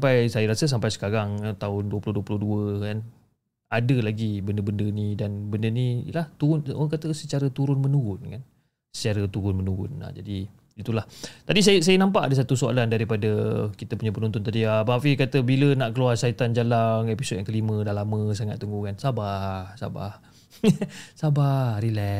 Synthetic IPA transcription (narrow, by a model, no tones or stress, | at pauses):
sampajsajəɾasəs̬ampajsə̥kaɾaŋt̪aʊnduwəpulʊhduəpulʊhduəkan | adəlaɡibəndəbəndənidanbəndənḭlaht̪uɾʊno̰aŋkat̪əsət͡ʃaɾət̪uɾʊnmənuɾʊnkan | sə̥t͡ʃaɾət̪uɾʊnmənuɾʊ̰na̰d͡ʒadi | it̪ulaht̪adis̬ajəsajənampaʔadəs̬at̪usoa̰landaɾipadəkit̪əpuɲapənunt̪ʊnt̪adiabaafikat̪əbilənaʔkəluarsait̪and͡ʒalaŋepisot̪̚jaŋkəlimə̃dalamə̃s̬aŋat̪ːəŋɡukansabahsa̰ba̰h | sabahɾilɛ